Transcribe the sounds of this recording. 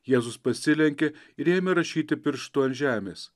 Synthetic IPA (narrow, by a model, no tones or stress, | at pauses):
jeːzʊspɐsʲɪlʲɛŋʲkʲe | ɪɾeːmʲɛɾɐʃʲiːt̪ʲɪpʲɪɾʃt̪uɔnʲʒʲæːmʲeːs